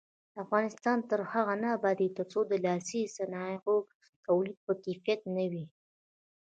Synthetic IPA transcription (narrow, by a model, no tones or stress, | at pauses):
d̪əafɣɑnɪst̪ɑnt̪əɾhaɣanabad̪it̪əɾt͡sod̪əlɑsisanɑɣo | t̪awlid̪̚pəkefijat̪̚nawi